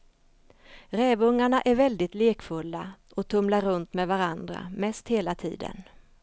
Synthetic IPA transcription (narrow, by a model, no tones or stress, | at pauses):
ɾɛːvɵŋːaɳaʔæɾvɛld̪ɪt̪leːkfɵlːaʔɔt̪ʰɵmlaɾɵnt̪mɛvaɾand̪ɾa̰mɛst̪heːlat̪ʰḭːd̪ə̰n